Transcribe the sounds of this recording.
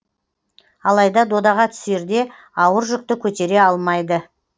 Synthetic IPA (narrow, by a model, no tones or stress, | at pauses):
ɑlˠɑjd̪ɑd̪o̞d̪ɑʁɑt̪ʰʏ̥se̞ɾd̪e̞ | ɑwəɾʒʏk̚t̪ɪkʲʰɵt̪e̞ɾe̞ɑlˠmɑjd̪ə